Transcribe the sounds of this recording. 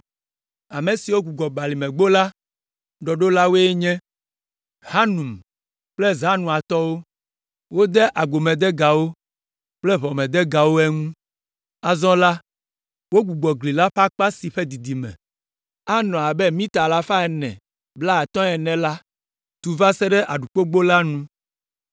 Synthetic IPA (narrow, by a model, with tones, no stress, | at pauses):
a˨me˨si˨wo˦ɡu˨ɡ͡bɔ˨ɡ͡ba˨li˨mɛ̃˨ɡ͡bo˦la˦ | ɖɔ˨ɖo˦la˦wo˦e˦ɲɛ̃˦ | ha˦nũ˨m | k͡plɛ˦za˦nũ˨a˨t̪ɔ˦wo˦ | wo˦d̪ɛ˦ʔa˨ɡ͡bo˨mɛ̃˨d̪ɛ˦ɡa˨wo˦ | k͡plɛ˦βɔ˨mɛ̃˨d̪ɛ˦ɡa˨wo˦ɛ˦ŋũ˦ | a˦˨zɔ̃˦la˦ | wo˦ɡ͡bu˨ɡ͡bɔ˨ɡli˨la˦ɸa˦k͡pa˦si˨ɸe˦d̪i˨d̪i˨mɛ̰̃˨ | a˦nɔ̃˨a˨bɛ˦mĩ˦t̪a˨la˦ɸa˦ɛ˨nɛ̰̃˨ | bla˦a˨t̪ɔ̃˦ɛ˨nɛ̃˨la˦ | t̪u˨va˦sɛ˦ɖɛ˦ʔa˨ɖu˨k͡po˦ɡ͡bo˦la˦nũ˦